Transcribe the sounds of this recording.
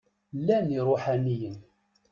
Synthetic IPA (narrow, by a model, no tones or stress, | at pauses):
lːæniɾˤʊħanijən